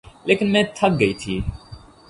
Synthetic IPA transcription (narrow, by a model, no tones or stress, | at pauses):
leːkɪnmɛ̃ːt̪ʰɐk̚ɡɐiːt̪ʰiː